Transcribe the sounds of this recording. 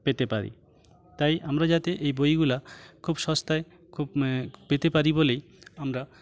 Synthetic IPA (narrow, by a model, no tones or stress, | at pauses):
pet̪epaɾḭ | t̪ajʔamɾad͡ʒat̪eʔejbojɡulakʰubʃɔst̪ae | kʰubpet̪epaɾibolej | amɾa